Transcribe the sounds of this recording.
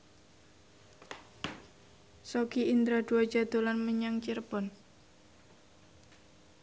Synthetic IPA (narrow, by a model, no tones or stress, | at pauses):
sokiʔind̪ɾad̪̥uḁd͡ʒad̪̥o̤lanməɲaŋt͡ʃirb̥ɔn